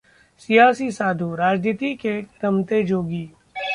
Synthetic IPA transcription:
sijaːsisaːd̪ʱuɾaːd͡ʒniːt̪ikeɾɐmt̪ed͡ʒoːɡiː

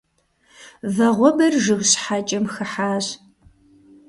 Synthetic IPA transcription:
vɐʁʷɔbɐrʒɨɣɕħaːt͡ʃʼɐmxɨħaːɕ

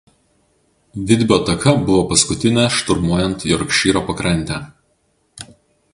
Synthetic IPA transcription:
ʋʲɪd̪ʲbʲoːt̪ɐkʰɐbʊʋoːpɐskʊt̪ʲɪnʲɛʃt̪ʊɾmuɔjɛnˑt̪iɔɾkʃʲiːɾoːpɐkɾɐnʲt̪ʲæ

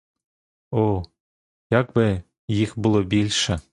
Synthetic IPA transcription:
o | jɑkbɘ̆ | jixbɨlˠobʲilʲʃɘ

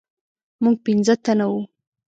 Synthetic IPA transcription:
muɡ̚pinzət̪anawu

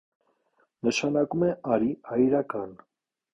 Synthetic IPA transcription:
nəʃɑnɑkumɛʔɑɾiɑjɾɑkɑn

